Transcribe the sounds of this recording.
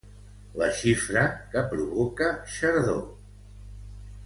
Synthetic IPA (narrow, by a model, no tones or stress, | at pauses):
lə̰ʃifɾəkəpɾuβokəʃəɾðo̰